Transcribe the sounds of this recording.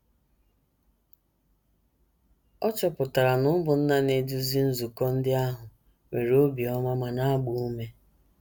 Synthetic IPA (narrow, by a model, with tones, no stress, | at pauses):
ɔ˦t͡ʃɔ˨pʊ˨ta˨ɾa˨nʊ˦bʊ˨n̩˦na˦ne˨du˦zi˦n̩˦zu˨kɔ˦n̩˦dɪ˦a˦ɦʊ˨ | me˨ɾo˦bi˨ɔ˦ma˦ma˨na˦ɡ͡bu˨u˦me˦